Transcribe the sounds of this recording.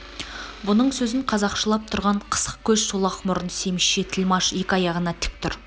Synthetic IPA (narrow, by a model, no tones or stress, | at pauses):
bʊnəɴsɵzɪɴqʰɑzɑqʃəlˠɑp̚t̪ʰʊɾʁɑɴqʰə̥sə̥q̚kʲʰɵʃsolˠɑqmʊɾənse̞mɪʃʃe̞t̪ʰɪlmɑʃe̞kʲɪɑjɑʁənɑt̪ʰɪ̥k̚t̪ʊɾ